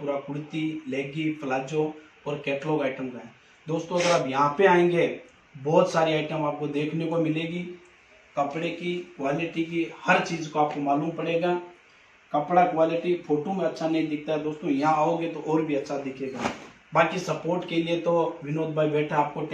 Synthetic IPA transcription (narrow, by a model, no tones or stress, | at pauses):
puːɾakʊɽt̪ilɛːɡipʰlaːd͡ʒõ | ɔːɾkɛːʈlokaːɪʈəmkaɦɛ | d̪oːst̪õɐɡəɾaːpjɐɦãpeaːẽːŋɡe | bɔːt̪saːɾiaːɪʈəmaːp̚kod̪eːkʰnekomɪleːɡi | kɐpɽekikwaːlɪʈikihɐɾt͡ʃiːzkoaːp̚komaːluːmpɐɽeːɡaː | kɐpɽakʋaːlɪʈifʰoːʈomẽɐtːʃʰanɐɦĩd̪ɪkʰt̪aɦɛd̪oːst̪õjɐɦãaːoːɡet̪oʔɔːɾbʱiɐtːʃʰad̪ɪkʰeːɡa̰ː | baːkisɐpoːɾʈkeliet̪oʋɪnoːd̪̚bʱaːibɛːʈʰaaːp̚koʈ